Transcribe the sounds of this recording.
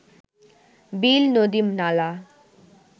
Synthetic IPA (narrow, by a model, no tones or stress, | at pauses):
biːlnod̪imnala